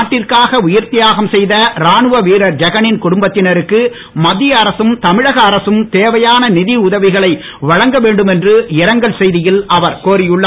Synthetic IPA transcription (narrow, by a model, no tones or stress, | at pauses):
ʈːɪrkaːɣɐʊjɪɾt̪ɪjaːɣɐmsɛjðɐɾaːnɯʋɐʋiːɾɐɾd͡ʒɐɣɐnɪnkʊɽʊmbɐt̪ːɪnɐɾɯkːɯ | mɐðːɪjɐːɾɐsɯmt̪ɐmɪɻɐɣɐːɾɐsɯmt̪eːʋɐjaːnɐnɪðiʊðɐʋɪɣɐɭɐɪ | ʋɐɻɐŋɡɐʋeːɳɖɯmɛndrɯɪɾɐŋɡɐɭsɛjðɪjɪlʔɐʋɐɾkoːɾɪjɯɭːɐ